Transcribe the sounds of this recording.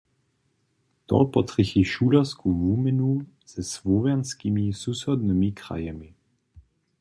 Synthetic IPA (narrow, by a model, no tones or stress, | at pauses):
t̪ɔ̰pɔt̪ʁixiʃuːlaskʰuvumɛnu | z̥ɛsvɔvɛnskimisusɔd̪nəmikʁa̰jɛmi